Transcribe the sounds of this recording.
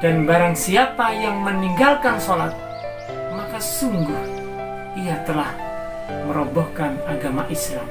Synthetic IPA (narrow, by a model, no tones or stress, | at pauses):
danbaɾaŋsiapajaŋməniŋɡalkansolat̪̚ | makasuŋɡuɾ | iat̪əlah | məɾobɔhkanaɡamaʔislam